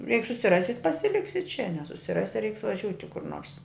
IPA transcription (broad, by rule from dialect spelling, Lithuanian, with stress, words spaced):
jɛɪk sʊsʲɪˈrɑːsʲɪ pɐsʲɪˈlʲɪksʲɪ t͡ʃʲɛ nʲɛsʊsʲɪˈrɑːsʲɪ rʲɛɪks ʋɐˈʒʲuːtʲɪ kʊr noːrs